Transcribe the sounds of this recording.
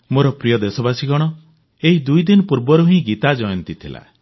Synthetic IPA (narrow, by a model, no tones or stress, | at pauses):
moɾɔpɾijɔd̪esɔbasiɡɔɽ̃ɔ | eɦid̪ujd̪inɔpuɾbɔɾuɦĩɡit̪ad͡ʒɔjɔnt̪it̪ʰila̰